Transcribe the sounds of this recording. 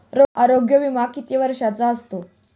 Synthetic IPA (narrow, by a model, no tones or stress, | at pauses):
ɾoaɾoɡjəʋimakːit̪iʋəɾʂat͡saəst̪o